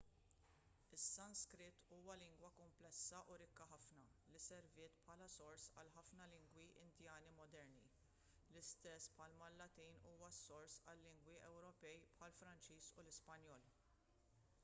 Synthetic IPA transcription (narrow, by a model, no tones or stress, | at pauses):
ɪsːɐnskɾɪt̪ːuːwɐlɪŋɡwɐkʊmplɛsːɐʔʊɾɪkːɐħɐfnɐlisɛɾvɪːt̪pħɐːlɐsɔɾsɐ̰lħɐfnɐlɪŋɡwiʔɪ̰nd̪jɐːnimɔd̪ɛɾnḭ | lɪst̪ɛsːpħɐlmɐlːɐt̪iːnuːwɐsɔɾsɐlːɪŋɡwiʔɛwɾɔpɛjpħɐlfɾɐnt͡ʃiːsṵlɪspɐnjɔːl